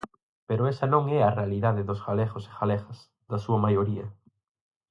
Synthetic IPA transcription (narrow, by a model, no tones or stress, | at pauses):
peɾoesɐnõŋɛarealiðaðeðozɣaleɣose̥xalexas | ðɐsuɐmajoɾiɐ